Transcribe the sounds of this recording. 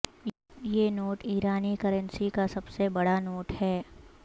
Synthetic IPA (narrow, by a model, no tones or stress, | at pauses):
jeːnoːʈiːɾaːnikəɾənsikasɐbsebɐɽanoːʈhɛː